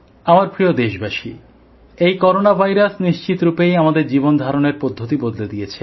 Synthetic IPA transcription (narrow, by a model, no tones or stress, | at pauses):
amaɾpɾiod̪eʃbaʃḭ | ejkɔɾonabʱajɾasniʃt͡ɕit̪ɾupejamad̪eɾd͡ʑibond̪ʱaɾoneɾpod̪ʱːot̪ibod̪led̪ijet͡ɕʰe